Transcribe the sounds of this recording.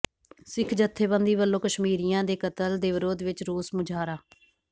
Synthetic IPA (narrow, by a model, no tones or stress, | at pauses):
sɪkʰd͡ʒət̪ʰːeːbə̃nd̪iːbəlːõːkəʃmiːɾijãːd̪eːkət̪əld̪eːʋɪɾoːd̪ʋɪt͡ʃɾoːsmʊd͡ʒʱaːɾaː